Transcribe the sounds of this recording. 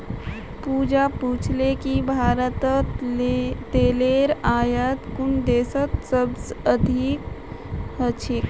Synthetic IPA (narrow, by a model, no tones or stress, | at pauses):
puːd͡ʒapuːt͡ʃʰlekibʱaːɾət̪ə | t̪eːleːɾaːjət̪kʊnd̪eːsət̪səbsəd̪ʱik | ɦət͡ʃʰek